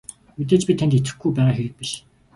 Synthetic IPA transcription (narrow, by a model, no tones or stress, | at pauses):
mut̪̬eːt͡ɕpʲit̪ʰænt̪et͡sɘ̆xɡujpæːʁaːxujɘ̆k̚piʃ